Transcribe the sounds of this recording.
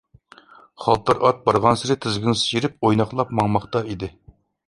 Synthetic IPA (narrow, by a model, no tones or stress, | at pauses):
χɑlˠt̪ʰːɑɾʔɑt̪̚bɑɾʁɑnsɪɾɪt̪ʰɪzɡʲiŋsijiɾɪp̚ojnɑχlˠɑpmɑŋmɑχt̪ɑid̪ɪ